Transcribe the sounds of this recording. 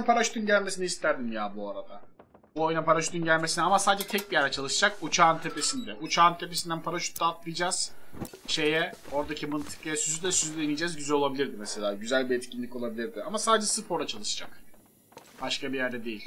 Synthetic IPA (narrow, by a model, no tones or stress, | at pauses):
npʰaɾaʃu̥t̪ʰunɟælʲme̞s̬iniist̪ʰæɾd̪imjaːbuaɾad̪a | buo̞jnapaɾaʃut̪ʰunɟælʲmesinɛamasaːd̪d͡ʒɛt̪ʰɛc̚bijæɾd̪ɛt͡ʃʰalˠɯʃɯd͡ʒak̚ut͡ʃʰaːnt̪ʰe̞pe̞sind̪ɛʔut͡ʃʰaːnt̪ʰe̞pesind̪ænpʰaɾaʃu̥t̪ːaːt̪lˠɯjd͡ʒaːz̥ | ʃe̞jɛ | o̞ɾd̪acʰimɯnt̪ʰɯ̥kejɛsyzyd̪ʲɛsyzyd̪ɛinijd͡ʒɛzɟyzælʲo̞lˠabilʲiɾd̪imese̞lʲaːɟyzælʲbiɛt̪cʰinʲlʲico̞lˠabilʲiɾd̪ɪamasaːd̪d͡ʒɛsɯpo̞ɾd̪at͡ʃʰalˠɯʃɯ̥d͡ʒak | b̥aʃkabijæɾd̪ɛd̪e̞jilʲ